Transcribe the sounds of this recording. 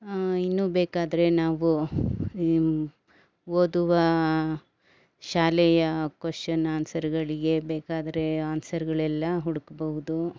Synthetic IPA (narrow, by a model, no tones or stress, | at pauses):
inːuːbeːkaːd̪ɐɾe̞naːʋu | oːd̪uʋɐ | ʃaːlɛjɐkʋɐʂɐnɐːnsɐɾɐɡɐɭiɡe̞beːkaːd̪ɐɾeɐansɐɾɐɡɐɭɛlːɐɦuɽukɐbɐɦud̪u